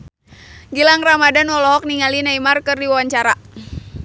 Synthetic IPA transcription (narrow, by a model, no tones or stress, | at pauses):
ɡilaŋramadanwɔlɔɦɔk̚niŋalinaimarkɨrdiwawaɲt͡ʃaɾa